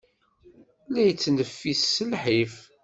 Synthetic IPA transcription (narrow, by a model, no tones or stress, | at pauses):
læjət͡sːnəfːisːəlħif